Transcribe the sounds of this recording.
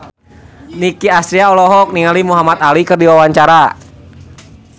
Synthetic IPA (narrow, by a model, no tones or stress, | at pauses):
nikiast̪ɾiaɔlɔɦɔk̚niŋalimuɦamat̪̚alikɨrdiwawaɲt͡ʃaɾa